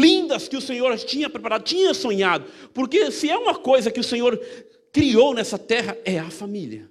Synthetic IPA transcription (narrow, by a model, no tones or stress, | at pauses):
lĩnd̪ɐskɪʊsẽɲoɾt͡ʃĩɲɐpɾepaɾad̪ʊt͡ʃĩɲɐsõɲad̪ʊpoɾkesɪɛũmɐkojzɐkɪʊsẽɲoɾ | kɾiownɛsɐt̪ɛɦɐɛɐfamiliɐ